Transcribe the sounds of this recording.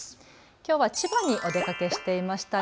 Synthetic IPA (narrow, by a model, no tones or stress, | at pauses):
kʲo̞ːβat͡ɕibaɲ̟iʔo̞d̪e̞kake̞ɕi̥t̪e̞imaɕi̥t̪a